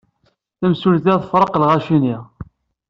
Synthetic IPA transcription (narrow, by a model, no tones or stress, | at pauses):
θəmsulθæðəfɾˤəqlʁaʃiniʁ